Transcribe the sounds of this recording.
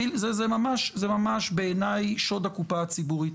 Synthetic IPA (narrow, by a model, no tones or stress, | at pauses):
ilzezemamaʃzemamaʃbeːnajʃo̞d̪akupaːt͡sibuʁit